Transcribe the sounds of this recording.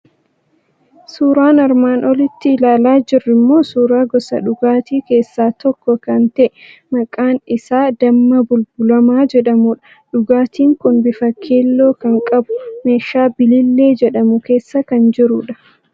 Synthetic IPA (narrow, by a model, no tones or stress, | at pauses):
suːɾaːnɐɾmaːnʔɔlɪt̪ːɪːlaːlaːd͡ʒɪrːɪmːo̞ːsuːɾaːɡɔsɐ̰ᶑʊɡaːt̪iːke̞ːsːaːt̪ɔkːɔkɐnt̪ɛʔɛmɐkʼaːnɪsaːd̪ɐmːɐbʊlbʊlɐmaːd͡ʒɛᶑɐmuᶑɐ̥ | ᶑʊɡaːt̪iːŋkʊnbɪfɐkʰːeːlːo̞ːkɐŋkʼɐbʊ̥me̞ːʃːaːbɪlɪlːe̞ːd͡ʒɛᶑɐmʊke̞ːsːɐkɐnd͡ʒɪɾʊᶑɐ̥